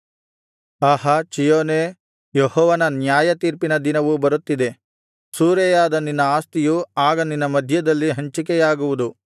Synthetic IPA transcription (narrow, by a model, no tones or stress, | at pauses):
aɦɐt͡ʃijoːne | jeɦɔːʋɐnɐnjaːjɐt̪iːɾpinɐd̪inɐʋubɐɾut̪ːid̪e̞ | suːɾɛjaːd̪ɐninːɐaːst̪ijuaːɡɐninːɐmɐd̪ʱjɐd̪ɐlːiɦɐɲt͡ʃik̬ɛjaːɡuʋud̪u